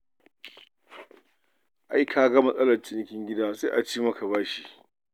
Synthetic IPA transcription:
ʔa˦jkʰaː˨ɡɐ˦mɐ˦sʼɐ˦lɐ˨rt͡ʃɪ˦n˨˦kʲɪ˦ŋɡʲɪ˦daː˦sa˦ʔa˨t͡ʃiː˦mɐ˦kʰa˨baː˦ʃi˦˨

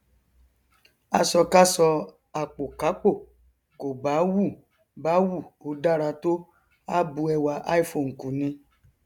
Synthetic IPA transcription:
a˧sɔ˧ka˦sɔ˧ | a˨k͡po˨ka˨˦k͡po˦˨ | ko˨ba˨˦wu˦˨ | ba˨˦wu˦˨o˧˦da˦˨ɾa˧to˦ | a˦bu˧˦ɛ˧wa˧ʔa˦i˦˨fo˨ŋ̩˨ku˨nĩ˧

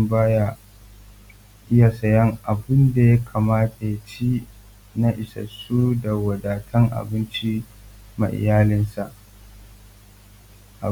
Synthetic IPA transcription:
baː˦ja˦˨ | ʔɪ˦ja˨sɐ˨jɐ˦ŋʔa˨bɪ˦nda˨ja˦kʰaː˨maː˦tʰa˨ja˨t͡ʃi˦ | na˦ʔɪ˨sɐ̰˨su˦da˨wɐ˨daː˨tʰɐ˦ŋʔa̰˨bɪ˦nt͡ʃi˦ | ma̰˨ʔɪ̰˨jaː˦lɪ˦nsa˨ʔ | ʔa˨

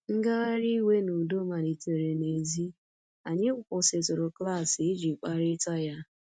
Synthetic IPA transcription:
ŋ̩˦ɡa˦ɣa˦ɾi˦we˦nu˨do˦ma˨ni˨te˨ɾe˨ne˨zi˦ | a˨ɲe˦kʷʊ˨kʊ˨sɪ˨tʊ˨ɾʊ˨kla˦˨sɪ˨ɪ˦d͡ʒi˨k͡pa˦ɾɪ˦ta˦ja˦

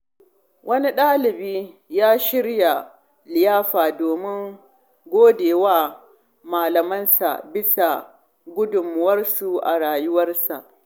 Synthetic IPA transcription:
wʔɐ˦ni˦ɗaː˦lɪ˨biː˦ | jaː˦ʃɪ˦ɽja˨ | lɪ˨jaː˦ɸaː˨doː˨mɪ˦ŋ | ɡʷoː˦deː˨waː˦ | maː˨lɐ˨mɐ˦nsa̰˨bɪ˦sa˨ | ɡʷʊ˦dʊ˨mːʊ˦wɐ˦rsu˨ʔa̰˨ɽaː˨jʊ˦wɐ˦rsa˨ʔ

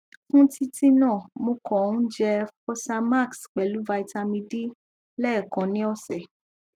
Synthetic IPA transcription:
fũ˦ti˦ti˦nãː˦˨mõ˧kɔ̃˨˦d͡ʒɛ˧fɔ˦sa˧ma˦˨ksk͡pɛ˨lu˨˦va˧i˧ta˧mĩ˧di˦ | lɛ˦˨kã˨nĩ˨˦ɔ˦sɛ˨

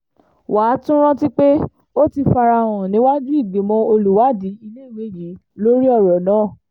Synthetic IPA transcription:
waː˨˦tũ˦ɾ̃ɔ̃˦ti˦k͡pe˦ | o˦ti˧fa˧ɾa˧˨w̃ɔ̃˨nĩ˨˦wa˦d͡ʒu˦i˦˨ɡ͡be˨mɔ̃˧˦o˧lu˨wa˨˦di˨˦i˧le˦˨we˨˦˨ji˨˦lo˦ɾi˦ɔ˦˨ɾɔ˨nãː˨˦˨

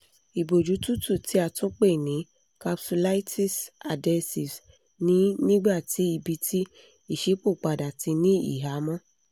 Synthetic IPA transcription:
i˨bo˨d͡ʒu˨˦tu˦tu˦˨tʰi˨˦a˧tũ˦k͡pe˦˨nĩ˨˦ | ka˧psu˧la˦i˦tʰi˦sa˨dɛ˧si˨s | nĩ˨˦nĩ˦ɡ͡ba˦˨ti˨˦i˧bi˧tʰi˦ | i˦˨ʃe˨˦k͡po˦˨k͡pa˨da˨ti˧nĩ˦ḭ˦˨ɦa˨˦mɔ̃˦

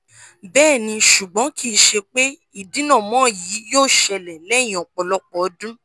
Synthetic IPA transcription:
bɛː˦˨nĩ˧ʃu˨ɡ͡bɔ̃˨˦kʰi˦˨˧ʃe˧k͡pe˦ | i˦˨dĩ˨˦nã˦˨mɔ̃˦˨jiː˨˦joː˦˨ʃɛ˧lɛ˨lɛ̃˦˨ɔ̃˨k͡pɔ˧lɔ˦k͡pɔ˧˦dũ˦

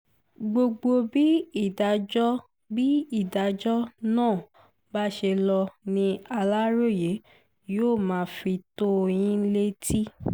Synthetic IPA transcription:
ɡ͡bo˧ɡ͡bo˧bi˦i˦˨da˨˧˦d͡ʒɔ˦ | bi˦i˦˨da˨d͡ʒɔ˦nãː˦˨ | ba˦ʃe˧lɔ˧nĩ˧a˧la˦ɾo˦˨je˨˦ | joː˦˨mãː˨˦fi˧to˦˧j̃ĩ˦le˦tʰi˦

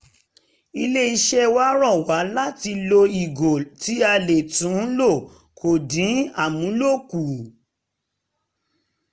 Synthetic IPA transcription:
i˧le˦i˧ʃɛ˦wa˦ɾɔ˦˨wa˨˦la˦ti˧lo˧i˨ɡo˨ti˨˦a˧le˨tũ˨˦lo˦˨ | kʰo˨dĩ˨˦a˦˨mũ˨˦lo˦˨ku˨

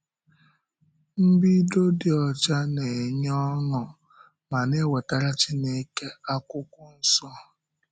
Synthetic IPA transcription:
m̩˦bi˦do˦dɪ˨ɔ˨t͡ʃa˦ne˨ɲɔ˦nɔ˨ | ma˨ne˦we˨ta˦ɾa˦t͡ʃi˦ne˦ke˦a˦kʊ˦kʷʊ˦n̩˦sɔ˦

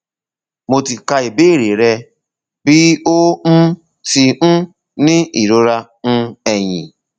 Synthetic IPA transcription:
mo˧ti˨ka˧i˨be˦˨ɾe˨ɾɛ˧ | bi˦o˦m̩˦ | ti˧n̩˦ | nĩ˦i˨ɾo˧˦ɾa˧ | n̩˦ɛ˨j̃ḭ̃˨

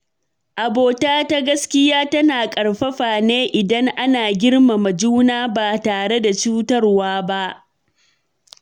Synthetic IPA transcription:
ʔa˨boː˨taː˦ta˦ɡɐ˦skʲɪ˦jaː˦tɐ˦naː˨kʼɐ˨ɽɸɐ˦ɸaː˨neː˦ʔɪ˨dɐ˦ŋʔa˦naː˨ɡʲɪ˦ɽma˨mɐ˨d͡ʒuː˦naː˦baː˨taː˨ɽe˦da˨t͡ʃuː˦tɐ˦rwaː˦ba˦ʔ

